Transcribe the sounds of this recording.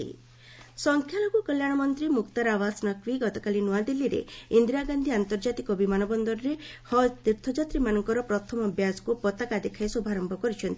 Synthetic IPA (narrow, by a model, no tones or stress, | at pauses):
ḭ | sɔŋkʰjalɔkukɔljaɽ̃ɔmɔnt̪ɾimukt̪aɾaʋasnɔkʋiɡɔt̪ɔkalinuad̪ilːiɾḛind̪ɾaɡand̪ʱiant̪ɔɾd͡ʒat̪ikɔbimanɔbɔnd̪ɔɾɔɾe | hɔt̪iɾt̪ʰɔd͡ʒat̪ɾimanɔŋkɔɾɔpɾɔt̪ʰɔmɔbʱjaskupɔt̪akad̪ekʰajsubʱaɾɔmbʱɔkɔɾit͡ʃʰɔnt̪ʰi